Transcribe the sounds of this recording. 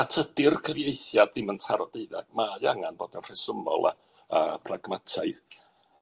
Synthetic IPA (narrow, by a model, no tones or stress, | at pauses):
atʰədɪrkʰəvjejθjadðɪməntʰaɾɔdeɨða̰ɡ̥̚majaŋanboːdənr̥ɛsəmɔ̰lˠa̰ | əpʰraɡmatʰaɨð